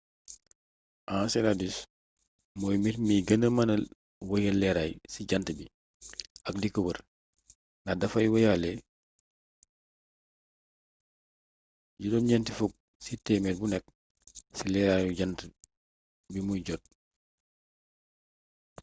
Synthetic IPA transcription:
ʔãːsɛladis | moːjmiɾmiɡɐnəmanɐ | wɐjalɛɾaːjsiɟantəbi | akdikəwəɾ | nadɐfajwojale | ɟidɔnɲɛntifuk̚ | sitɛmet̚bunɛk̚ | silɛɾajuɟantə | bimujɟɔt̚

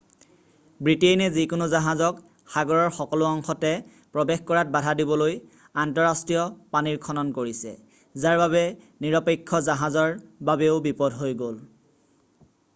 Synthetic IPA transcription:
bɹitenɛzikʊnʊzaɦazɔk | xaɡɔɹɔɹxɔkɔlʊɔŋxɔtɛ | pɹɔbexkɔɹat̚badʱadibɔloj | antɔɹastɹijɔpaniɹkʰɔnɔnkoɹisɛ̰ | zaɹbaβɛ | niɹɔpekʰːɔzaɦazɔɹbabɛʊbipɔdʱɦojɡol

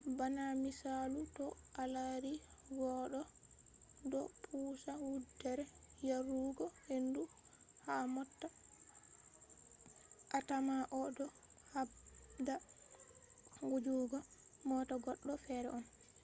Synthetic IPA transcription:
banamisalutɔʔalaɾiɡɔɗɔ | dɔ̰pʰuːsawudːɛɾɛjaɾuɡɔhenduhamɔtːa | ʔatamaʔɔdɔhabda | ɡud͡ʒuɡɔmɔtaɡɔɗːɔfɛɾɛ̰ʔɔn

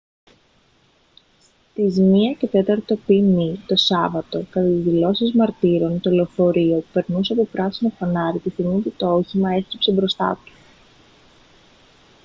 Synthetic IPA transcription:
s | t̪izmiɐce̞t̪e̞t̪ɐɾt̪o̞pimit̪o̞sɐvɐt̪o̞kɐt̪ɐt̪izðilo̞sizmɐɾt̪iɾo̞nt̪oleofo̞ɾio̞pupe̞ɾnuseɐpopɾɐsino̞fɐnɐɾit̪uθimid̪et̪ooçimɐe̞sipse̞bɾo̞st̪ɐ̰t̪u̥

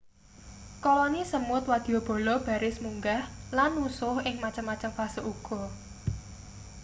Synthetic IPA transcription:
kɔlɔnisəmʊt̪̚wad̪̥i̤ɔb̥ɔ̤lɔb̥a̤ɾɪsmuŋɡahlanːusʊhɪŋmat͡ʃəmːat͡ʃəmfasəʔuɡ̥ɔ̤

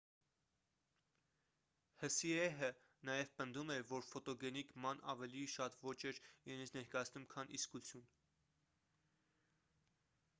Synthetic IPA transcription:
həsiɛɦə | nɑjɛvpənd̪umɛvɔɾfɔt̪ɔɡɛniɡmɑnɑ̰vɛliʃɑt̪vɔt͡ʃɛɾiɾɛnit͡sʰnɛɾkɑjɑt͡sʰnumkʰɑniskut͡sʰjun

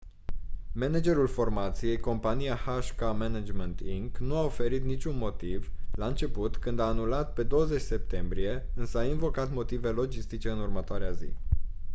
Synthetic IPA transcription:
me̞ned͡ʒe̞ɾulfo̞rmat̪sije̞jko̞mpanijahaʃkamened͡ʒment̪iŋknuaofe̞ɾit̪nit͡ʃʲunmo̞t̪ivlaɨnt͡ʃe̞put̪kɨnd̪aːnulat̪̚pe̞d̪o̞wəze̞t͡ʃʲse̞p̚t̪e̞mbɾije̞ɨnsəainvo̞kat̪mo̞t̪ive̞lo̞d͡ʒist̪it͡ʃe̞ɨnurmət̪oaɾeazḭ

